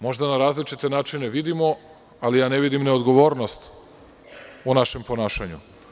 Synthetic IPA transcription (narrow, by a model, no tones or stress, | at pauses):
mo̞ʒd̪anaɾaːzlit͡ʃit̪enaːt͡ʃine̞ʋid̪imo̞ | alijaːne̞ʋid̪imneod̪ɡo̞ʋo̞ːɾno̞st̪ | unaʃe̞mpo̞naːʃaɲṵ